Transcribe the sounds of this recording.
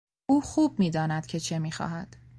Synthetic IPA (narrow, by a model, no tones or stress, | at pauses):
uːxuːb̚miːd̪ɒːnæd̪̥cʰe̞t͡ʃʰe̞miːxɒ̰ːɦæd̪̥